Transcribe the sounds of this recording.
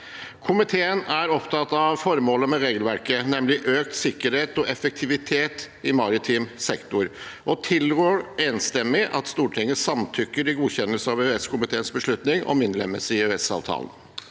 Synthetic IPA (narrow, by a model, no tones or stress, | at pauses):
kʰʊmɪt̪ʰeːənæɾɔpt̪ʰɑt̪ɑʋfɔɾmoːləmɛɾeːɡəlʋæɾkənɛmlɪʔøːk̚t̪sɪkːəɾheːt̪ɔʔɛfək̚t̪ʰɪʋɪt̪ʰeːt̪ | ɪmɑɾɪt̪ʰɪmsɛkt̪ʊɾʔɔt̪ʰɪlɡøːɾeːnst̪ɛmːɪʔɑ̰t̪st̪uːʈʰɪŋːəsɑmt̪ʰʏkːəɾɪɡuːçɛnːəlsəɑʋøɛskʰʊmɪt̪ʰeːənsbəʂɭʉt̪nɪŋɔ̰mɪnd̪ləmɛsɪøɛsɑ̰ːʋt̪ʰɑ̰ːlən̩